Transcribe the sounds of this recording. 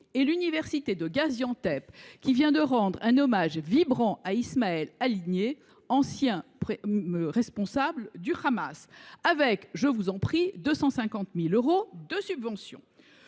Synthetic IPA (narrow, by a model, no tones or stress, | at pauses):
elynivɛʁsit̪ed̪əɡazjɑ̃t̪ɛpkʲivjɛ̃d̪əʁɑ̃d̪ʁɛ̃nɔmaʒvibʁɑ̃ʔaismaɛlaliɲe | ɑ̃sjɛ̃pʁɛspɔ̃sabld̪yχamasavɛkʒəvuzɑ̃pχid̪øsɑ̃sɛ̃kɑ̃t̪miløʁod̪əsybvɑ̃sjɔ̰̃